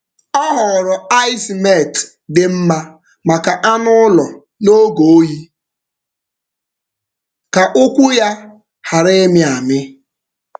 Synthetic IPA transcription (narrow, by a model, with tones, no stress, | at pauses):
ɔ˦ɦɔ˨ɾʊ˨a˦ɪ˦sme˦˨t | dɪ˨m̩˦ma˦ | ma˨ka˨ʔa˦nʊ˦lɔ˨ | no˦ɡo˨o˦ji˦ | ka˨ʔʊ˦kʷu˦ja˦ | ha˨ɾe˦mɪ˦a˨mɪ˦